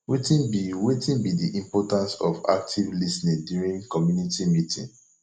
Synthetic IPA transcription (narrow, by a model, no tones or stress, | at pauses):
wetĩnbiwetĩnbidiʔĩmpɔtãnsɔva̰k̚tʰivlisnĩndjuɹĩnkɔmjunitimitḭ̃n